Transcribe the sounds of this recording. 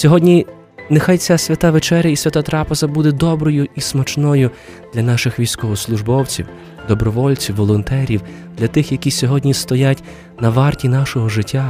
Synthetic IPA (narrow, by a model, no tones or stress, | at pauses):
sʲɔɦɔdʲnʲi | nexajt͡sʲasʲʋʲɐt̪aʋet͡ʃɛɾʲjɐisʲʋʲɐt̪at̪ɾɑpezɐbud̪ɛd̪ɔbɾɔjʊismɐt͡ʃnɔjʊ | d̪lʲɐnɑʃɪxʋʲijsʲkɔɦɔslˠʊʒbɔwt͡sʲḭw | d̪ɔbɾɔʋɔlʲt͡sʲiwːɔlˠɔnt̪ɛɾʲiw | d̪̥lʲɐt̪ɪxjɐkʲisʲɔɦɔdʲnʲist̪ɔjatʲ | nɐʋɑrtʲin̪ɑʃɔɦɔʒɪtʲːa